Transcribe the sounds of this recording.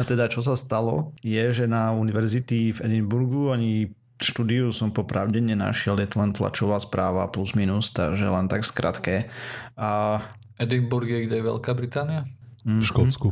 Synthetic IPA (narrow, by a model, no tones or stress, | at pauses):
at̪ɛd̪at͡ʃɔs̬ast̪alɔjɛʒɛnauniʋɛɾzit̪ivɛd̪imbuɾɡuaɲi | ʃt̪ud̪iusɔmpɔpɾaʊɟɛɲɛna̰ʃɪɛljɛt̪ɔlɛnt̪la̰t͡ʃɔʋaːspɾaːʋapluzminust̪a̰ɡʒɛlɛnt̪akskɾʔa̰t̪kɛ | ɛd̪imbuɾɡjɛɡɟɛjɛʋɛ̰lkaːbɾit̪aːniam̩ʃkɔt͡sku